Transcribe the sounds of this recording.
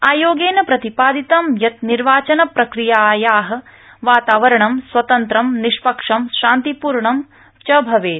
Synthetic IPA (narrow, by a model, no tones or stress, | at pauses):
aːjoːɡeːnɐpɾɐt̪ipaːd̪it̪ɐmjɐt̪niɾʋaːt͡ʃɐnɐpɾɐkɾijaːjaːɦɐ̆ | ʋaːt̪aːʋɐɾɐɳɐmswɐt̪ɐnt̪ɾɐmniʂpɐkʂɐmʃaːnt̪ipuːɾɳɐm | t͡ʃɐbʱɐʋeː